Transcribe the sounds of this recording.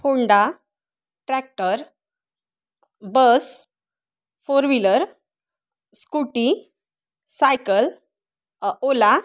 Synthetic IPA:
pʰoɳɖa | ʈɾɛk̚ʈəɾ | bəs | foɾʋiləɾ | skuʈi | sajkəl | ola

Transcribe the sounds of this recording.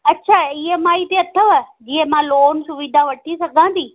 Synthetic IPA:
ɐtːɕʰaːɪɦemaːit̪eɐt̪ʰəʋɐd͡ʑiːɦẽmãloːnsʊʋid̪ʱãʋɐʈʰisɐɡʱãnd̪iː

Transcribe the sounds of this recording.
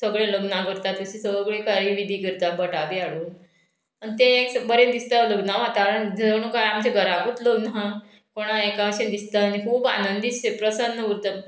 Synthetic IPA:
səɡɭẽləɡnakəɾt̪at̪əɕisəəɡɭẽkaɾiʋid̪ʱiːkəɾt̪abəʈaʋiaɽuː | ənt̪ẽeksəbəɾend̪ist̪aləɡnaʋɦat̪aɾənəɳũkaamd͡ʑeɡʱəɾakut̪ləɡnɦa | koɽ̃aekaɕẽd̪ist̪anikʰuːba̰nənd̪iepɾəsanːəɡuɾt̪ə

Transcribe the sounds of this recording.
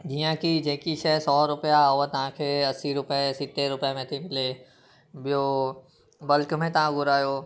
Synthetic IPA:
d͡ʑiːə̃kid͡ʑeːkiʃɐɦsɔːɾʊpjaɦʊɦat̪ɐʋ̤ãkʰeːɐsiɾʊpəsɪt̪eɾʊpjamẽt̪ʰimɪle | bijo | bɐlkmẽt̪ɐʋ̤ãɡʱʊɾaːjoː

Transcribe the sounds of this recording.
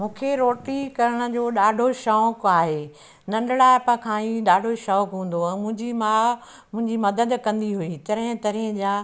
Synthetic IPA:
mũːkʰeɾoːʈikɐɾəɽ̃ə̆d͡ʑoːɗaːɖʱoʃɔːkaːɦeː | nɐ̃ɳɖɽaːɪpɐ̃kʰãiɗaːɖʱoʃɔːkɦũːn̆d̪oɛ̃ːmʊ̃ɦɪ̃ɲd͡ʑimaː | mʊ̃ɦɪ̃ɲd͡ʑimɐd̪əd̪kɐ̃nd̪iɦuit̪ɐɾɪ̃t̪ɐɾĩʄãː

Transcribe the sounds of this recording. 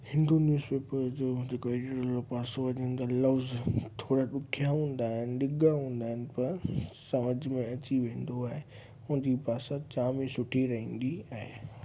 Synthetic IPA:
hɪ̃nd̪onjuːzpeːpəɾd͡ʑoːd͡ʑeːkoeɖɾəlopaːsoɐd͡ʑɪ̃n̆d̪alɐʋzt̪ʰoːɾaɗʊkʰjaɦũːn̆d̪aːɦɪnɪɗɪɡaɦũːn̆d̪aːɦɪnɪ̆pɐɾsɐməd͡ʑmẽɐt͡ɕiʋẽːnd̪oaːɦe | ʊ̃nd͡ʑipaːsat͡ɕaːmĩsʊʈʰiɾɐɦĩːnd̪iaːɦḛ

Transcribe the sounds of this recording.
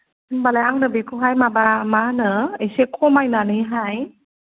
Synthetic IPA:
balaaŋnɯbikʰuɦajmabamanəesekʰomajnaniɦaj

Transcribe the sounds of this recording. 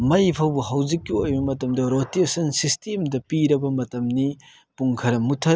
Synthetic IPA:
mɐjpʰɐwbuɦɐwd͡ʒikːiojbɐmɐtɐmdɐɾotesɐnsistemdɐpiɾɐbɐmɐtɐmni | puŋkʰɐɾɐmutʰɐ

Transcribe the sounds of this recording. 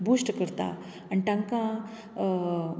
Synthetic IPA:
bʱuːsʈkəɾt̪a̰ | anʈ̪ãŋkã

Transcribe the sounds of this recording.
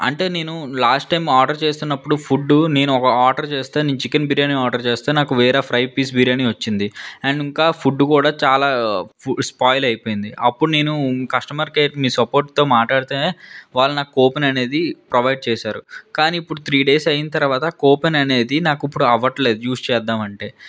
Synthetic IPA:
ɐ̰ɳʈe̞ːne̞ːnulaːsʈːɐjmaːɾɖɐɾt͡ʃeːst̪unːɐpːuɽupʰuɖːune̞ːnuɔkɐaːʈɐɾt͡ʃe̞ːst̪eːniːnt͡ʃikːɐnbiɾjaːniaːɾɖɐɾt͡ʃeːst̪eːnaːkuʋɛːɾaːpʰɾɐjpiːsbiɾjaːniʋɐt͡ʃːind̪iɐɳɖiŋkaːpʰuɖːkuːɽaːt͡ʃaːlaːuspaːjlɐjpoːjind̪iʔɐpːuɽune̞ːnukɐʂʈɐmaɾkeːʈmiːsɐpo̞ːɾʈt̪o̞ːmaːʈlaːɽit̪eʋaːɭːunaːkuɔːpenɐne̞ːd̪ipɾɐʋɐjɖ̚t͡ʃɛːsaːɾṵkaːniːpːuɽut̪ʰɾiːɖe̞ːsɐjinɐt̪ɐɾɐʋaːt̪ɐkɔːpenɐne̞ːd̪inaːkipːuɽuɐʋɐʈle̞ːd̪ujuːst͡ʃɛːd̪ːaːmɐɳʈe̞ː

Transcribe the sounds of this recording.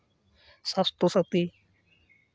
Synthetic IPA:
sast̪osət̪i

